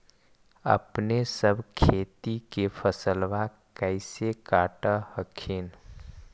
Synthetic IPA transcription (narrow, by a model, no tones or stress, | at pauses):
ə̰pnesəbʱkʰeːt̪ikepʰəsəlʋa | kəɪsekaːʈəhəkʰin